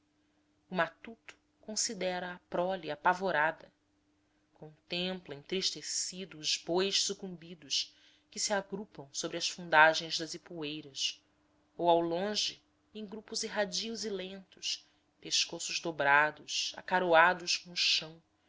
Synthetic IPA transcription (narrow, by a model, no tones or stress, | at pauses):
ʊmat̪ut̪ʊ̥ | kõsid̪ɛɾɐːpɾɔliapavoɾad̪ɐ | kõnt̪ẽmplɐĩnt̪ɾiʃt̪esid̪ʊːzbojʃsukũmbid̪ʊʃ | kɪsiaɡɾupɐ̃w̃sobɾɪɐsfũnd̪aʒẽj̃zd̪ɐzipuejɾɐs | owawlõʒɪ | ẽj̃ɡɾupʊzeɦad͡ʒiʊzilẽnt̪ʊ̥ʃ | peʃkosʊʒd̪obɾad̪ʊʃa̰kaɾoad̪ʊskõʊʃɐ̃w̃